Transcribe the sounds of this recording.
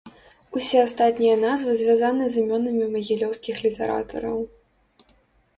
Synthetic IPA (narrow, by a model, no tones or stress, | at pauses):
usʲɛast̪at̪ʲnʲijɐnazvɨzʲvʲazanɨzɨmʲɔnɐmʲimɐɣʲilʲɔwskʲixlʲit̪ɛ̰ɾa̰t̪ʰɐ̰ɾɐw